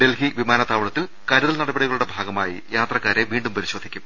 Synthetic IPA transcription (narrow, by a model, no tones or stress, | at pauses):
ɖe̞lɦiʋimaːnɐt̪aːʋɐɭɐt̪ːil | kɐɾuðɐlnɐɽɐbeɽiɣɐɭuɽe̞bʱaːɡɐmaːjḭjaːt̪rɐkːaːɾe̞ʋiːɳɖumpɐɾiɕo̞ːd̪ʱikʲːum